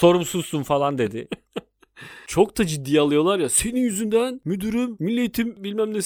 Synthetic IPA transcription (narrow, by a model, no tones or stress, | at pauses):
so̞ɾumsuzsunfalˠand̪e̞d̪ɪ | t͡ʃʰo̞k̚d̪ad͡ʒid̪ːijalˠɯjo̞lˠaɾjase̞ninjyzynd̪ænmyd̪yɾymːilʲːet̪ʰimbilʲmæmne